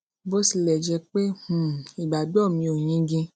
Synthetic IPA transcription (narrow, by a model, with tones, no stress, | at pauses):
bo˦si˧lɛ˨d͡ʒɛ˧k͡pe˦h̩˨i˨ɡ͡ba˨dɔ˦˨mĩ˧o˨j̃ĩ˨˦ɡĩ˧